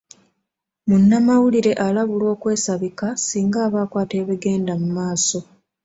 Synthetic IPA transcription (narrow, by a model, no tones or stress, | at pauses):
munːamawuliɾe̞ʔalaβulwo̞ːkwe̞ːsaβikasiːŋɡaːβaːkwaːte̞ːβeɡe̞ːndamumaːso̞